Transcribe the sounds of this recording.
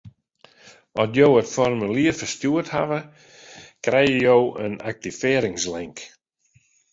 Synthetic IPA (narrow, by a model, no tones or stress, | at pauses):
ɔtjowətfɔrmyliəfərstjuətha̰və | krɛjəjowəna̰k̚tifɪːɾɪŋslɪŋk